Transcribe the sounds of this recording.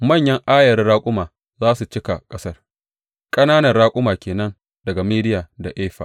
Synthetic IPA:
mɐ˦˨ɲjɐ˦ŋʔaː˦jɐ˨rɽaː˦kʷʼʊ˦maː˨ | zaː˦su˨t͡ʃɪ˦ka˨kʼɐ˦sɐ˦r | kʼɐ˦naː˦nɐ˨rɽaː˦kʷʼʊ˦maː˨kʲeː˨nɐ˦n | dɐ˨ɡa˨meː˦dɪ˦jaː˨da˨ʔeː˦ɸa̰˨ʔ

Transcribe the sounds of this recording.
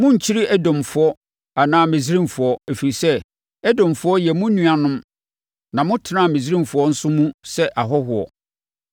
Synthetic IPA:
mʊ̃˦ɲ̩˨t͡ɕʰi˦ɾi˦ʔæ˦dɔ̃˨mfʊ˨ɔ˦ | a˨nãː˦mɪ̃˨zi˦ɾĩ˦m˨fʊ˨ɔ˦æ˨fi˨ɾi˨sɛ˦ | ɛ˦dɔ̃˨m˨fʊ˨˦ɔ˦jɛ˨mʊ̃˦nũ˨a˨nʊ̃˦m | nã˨mʊ̃˦tʰɪ˦nã˦˨mẽ˨zi˦ɾĩ˦mfʊ˨ɔ˦n̩˦sʊ˦mũ˦sɛ˦ʔa˨ɦɔ˦ɦʊ˨ɔ̰˨

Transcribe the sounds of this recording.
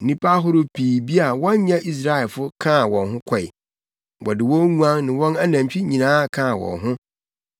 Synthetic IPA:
n̩˨nĩ˦pʰa˦ɦʊ˦ɾʊ˦pʰiː˨bi˦a˨wɔ̃˦ɲ˦ɲã˦ʔi˦s̬ɾa˦ɛ˨fʊ˦kʰã˦˨wɔ̃˨nɦʊ̃˦kʰɔ˨j | wɔ̰˨dɪ˨wɔ̃˦ŋũ˦ã˦ŋnɪ̃˨wɔ̃˦na˦nã˨mt͡ɕᶣi˦ɲĩ˨nãː˦˨kʰã˦˨wɔ̰̃˨nɦʊ̃˦

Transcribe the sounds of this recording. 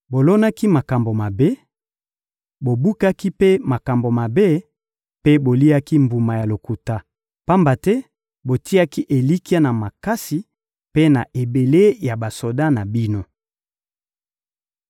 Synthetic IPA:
bo˨lo˦na˦ki˦ma˨ka˨mbo˨ma˨be˦ | bo˨bu˦ka˦ki˦pe˦ma˨ka˨mbo˨ma˨be˦ | pe˦bo˨li˦a˦ki˦mbu˨ma˨ja˨lo˨ku˨ta˦ | pa˦mba˨tɛ˦ | bo˨ti˦a˦ki˦ʔe˨li˦ki˦a˦na˨ma˨ka˦si˨ | pe˦na˨ʔe˨be˨le˦ja˨ba˨so˨da˦na˨bi˦no˦

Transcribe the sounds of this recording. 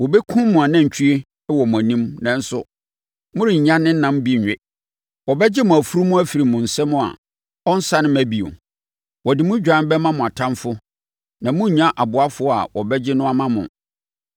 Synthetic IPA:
wɔ˨bɛ˦kʰʊ̃˦mʊ̃˨a˨nã˦ɲ̩˨t͡ɕᶣʰi˦e˦ | wɔ˨mʊ̃˨æ˨nĩ˦mnã˨n̩˦sʊ˦ | mʊ̃˦ɾɪ̃˨ɲ˨ɲã˦nɪ̃˦n̩˦nã˦m˦bi˦˨ɲᶣ˨ɛ˦ | wɔ˨bɛ˦d͡ʑɪ˦mʊ̃˨æ˨fu˦ɾu˦mʊ̃˦æ˦fi˨ɾi˨mʊ̃˨n̩˨sɛ˦mʊ̃˦a̰˨ | ɔ˦n̩˦sa˦nʊ̃˦mæ˦bi˨o̰˨ | wɔ˨dɪ˨mʊ̃˦d͡ʑᶣã˦n˦bɛ˦mã˦mʊ̃˨a˨tʰã˦mfʊ˦ | nã˨mʊ̃˦˨ɲã˦ʔa˨bʊ˨˦a˦fʊ˦ɔ˦a̰˨wɔ˨bɛ˦d͡ʑɪ˦nʊ̃˦a˦mã˦mʊ̰̃˨

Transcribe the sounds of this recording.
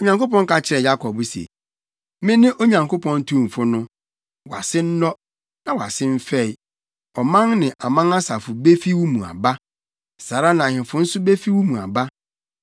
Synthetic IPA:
o˨ɲã˨ŋko˦pɔ̃˦ŋ˦ka˨t͡ɕʰɪ˦ɾɛ˨ja˦kʰɔ˨bsḛ˨ | mɪ̃˦nɪ̃˦ʔo˦ɲã˨ŋko˦pɔ̃˦n˦tʰũ˦˨m˨fʊ˦nʊ̃˦ | wa̰˨sɪ˦n̩˦nɔ˦ | nã˨wa̰˨sɪ̃˦m̩˦fɛ˦˨i˨ | ɔ˨mã˦ŋnɪ̃˨ʔa˨mã˦na˦sa˨fʊ˨be˦fi˦wu˦mũ˨a̰˨ba˦ | saː˨ɾa˦nã˨hɪ̃˨fʊ˨n̩˦sʊ˦be˦fi˦wu˦mũ˨a̰˨ba˦

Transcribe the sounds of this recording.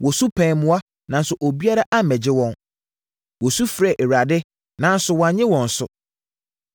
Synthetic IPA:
wʔɔ˨su˦pʰɛ̃˨mʊ̃˦a˦ | nã˨n˦sʊ˨ʔo˨bi˦a˦ɾa˦ʔa˦˨mɛ˨d͡ʑɪ˦wɔ̃˦n | wɔ˨su˦fɾɛ˨ʔe˨ɾa˨dɪ˦ | nã˨˦n̩˦sʊ˨wɔ̃˨a˨ɲɪ̃˦wɔ̃˨n̩˨sʊ̰˨

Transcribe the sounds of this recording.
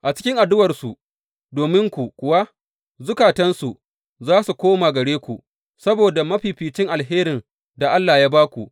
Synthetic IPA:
ʔa˨t͡ʃɪ̥˦kʲɪ˦ŋʔa˨dʊ˦wɐ˨rsu˨ | doː˨mɪ˦ŋkʷu˨kʷʊ˨wa˦ | zʊ˦kaː˨tɐ˦nsu˨ʔ | zaː˦su˨kʷoː˦maː˨ɡɐ˨ɽeː˦kʷu˨ | sɐ˦boː˨da˨mɐ˦ɸiː˨ɸiː˨t͡ʃɪ˦ŋʔa˨lɦeː˦ɾɪ˨n | da˨ʔa˦lːaː˨jaː˦baː˦kʷu˨ʔ

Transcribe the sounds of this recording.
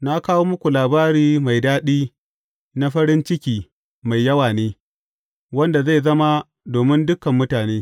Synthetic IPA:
na˦kaː˦woː˦mʊ˦kʷu˨laː˨baː˦ɾiː˦ma˨jdaː˦ɗiː˦ | na˦ɸɐ˦ɾɪ˦nt͡ʃɪ˦kʲiː˨ | ma˨jjɐ˦waː˨neː˦ | wɐ˦nda˨za˦˨jzɐ˦ma˦ | doː˨mɪ˦ndʊ˦kɐ˨mːʊ˦taː˨neː˦

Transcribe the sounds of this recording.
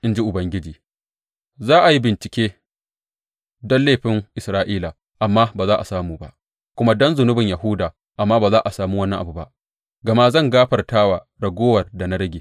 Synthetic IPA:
ʔɪ˦nd͡ʒi˦ʔʊ˨bɐ˦ŋɡʲɪ˦d͡ʒiː˨ | zaː˦ʔa˨ji˦bɪ˨nt͡ʃɪ˨kʲeː˦ | dɔ˦nleː˦˨ɸɪ˦ŋʔɪ˨sɾaː˦ʔiː˦laː˨ | ʔa˨mːaː˦baː˨zaː˦ʔa˨saː˦muː˨ba̰˦ʔ | kʷʊ˦ma˦dɔ˦nzʊ˨nʊ˦bɪ˨ɲja˨ɦʊ˦daː˨ | ʔa˨mːaː˦baː˨zaː˦ʔa˨saː˨muː˦wɐ˦nːɐ˦ŋʔa˨bu˨ba̰˦ʔ | ɡɐ˨ma˦zɐ˦˨ŋɡaː˦ɸɐ˨rtaː˦waː˨ | ɽɐ˨ɡʷoː˦wɐ˨rda˨na˦ɽɐ˦ɡʲeː˨

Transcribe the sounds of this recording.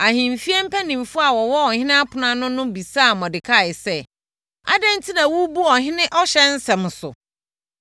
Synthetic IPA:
a˨ɦĩ˨m˨fi˦ɛ˦m̩˦pʰa˦nĩ˨mfʊ˦a˨wɔ˨wɔ˦ɔ˨hɪ̃˦nɪ̃˦a˦pʰʊ˨nã˦nʊ̃˦nʊ̃˦bi˨saː˦˨mɔ̃˨dɪ˨kʰa˦˨ɪ˨sɛ˦ | a̰˦dɛ̃˦n˦tʰi˦nã˨wu˦bu˦ɔ˨ɦɪ̃˦nɪ̃˦ʔɔ˦ɕɛ˦n̩˦sɛ̃˨m˨sʊ̰˨

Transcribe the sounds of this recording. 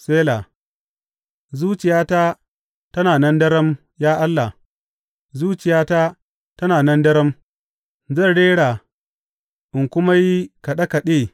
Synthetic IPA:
seː˦la˨ | zuː˦t͡ʃɪ˨jaː˦ta˦ | tɐ˦naː˨nɐ˦ndɐ˦ɾɐ˦m | jaː˦ʔa˦lːa˨h | zuː˦t͡ʃɪ˨jaː˦ta˦ | tɐ˦naː˨nɐ˦ndɐ˦ɾɐ˦m | zɐ˦˨ɽeː˦ɽa˨ | ʔɪ˨ŋkʷʊ˦ma˦ji˦ka˨ɗɐ˦ka˨ɗeː˦˨

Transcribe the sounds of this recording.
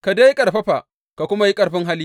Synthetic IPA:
ka˨da˦jkʼɐ˨ɽɸɐ˦ɸa˨ʔ | ka˨kʷʊ˦ma˨ji˦kʼɐ˨ɽɸɪ˦ŋɦa˦li˦

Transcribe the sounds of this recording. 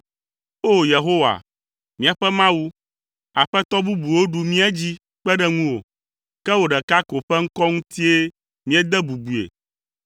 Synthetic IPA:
o˦je˨ɦo˦wa̰˨ | mĩ˦a˨ɸɛ˦mã˦wu˦ | a˨ɸɛ˦t̪ɔ˦bu˦bu˨wo˦ɖu˨mĩ˦ɛ˦d͡ʑi˦ | k͡pɛ˦ɖɛ˦ŋũ˦wo̰˨ | kɛ˦wo˨ɖɛ˨ka˦ko˨ɸɛ˦ŋ̩˦kɔ˦ŋũ˦t̪i˦e˦ | mĩ˦e˨d̪ɛ˦bu˨bu˨ḛ˨

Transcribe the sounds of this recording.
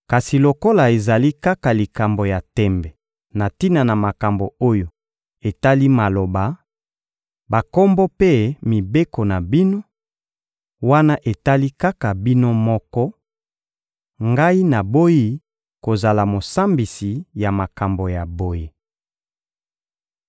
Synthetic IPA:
ka˨si˨lo˨ko˦la˨e˨za˨li˦ka˦ka˨li˨ka˨mbo˨ja˨tɛ˦mbɛ˨ | na˨ti˦na˨na˨ma˨ka˨mbo˨o˦jo˦˨ | e˨ta˦li˦ma˨lo˨ba˨ | ba˨kɔ˦mbɔ˦pe˦mi˨be˦ko˨na˨bi˦no˦ | wa˦na˦ʔe˨ta˦li˦ka˦ka˨bi˦no˦mɔ˦kɔ˦ | ŋɡa˦i˦na˨bo˦ji˦ | ko˨za˨la˨mo˨sa˦mbi˨si˨ja˨ma˨ka˨mbo˨ja˨bo˦ji˦

